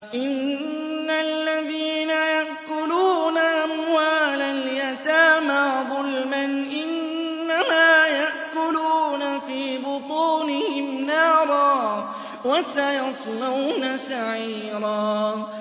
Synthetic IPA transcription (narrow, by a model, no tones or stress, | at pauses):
ʔɪnː | alːaðiːnajaʔkʊluːnaʔamwaːlaljat̪aːmaðˤʊlmanʔɪnː | amaːjaʔkʊluːnafiːbʊt̪ˤuːnɪhɪmnɑːɾˤɑː | wasajɑsˤlawnasaʕiːɾˤɑː